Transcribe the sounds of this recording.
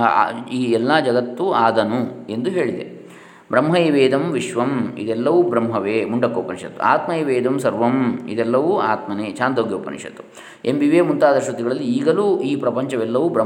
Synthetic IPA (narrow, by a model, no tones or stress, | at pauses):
iːɛlːaːd͡ʒɐɡɐt̪ːuaːd̪ɐnue̞nd̪uɦe̞ːɭid̪e | bɾɐmɦɐjiʋeːd̪ɐmʋiʃʋɐmḭd̪ɛlːɐʋubɾɐmɦɐʋeːmuɳɖɐkːoːpɐnʃɐ̰t̪ːṵa̰ːt̪mɐiʋeːd̪ɐmsɐɾʋɐmḭd̪ɛlːɐʋuaːt̪mɐneːt͡ʃaːnd̪oːɡjoːpɐ̰nʂɐ̰t̪ːu̥ | embiʋeːmunt̪aːd̪ɐʃʋɐt̪iɡɐɭɐlːiiːɡɐluːiːpɾɐpɐɲt͡ʃɐʋɛlːɐʋubɾɐ